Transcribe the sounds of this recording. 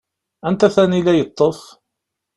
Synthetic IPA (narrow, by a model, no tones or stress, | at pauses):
ænt̪æθænilæjət̪ˤːəf